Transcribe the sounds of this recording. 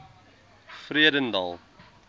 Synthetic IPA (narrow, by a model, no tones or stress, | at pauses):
friədəndɐ̰lˠ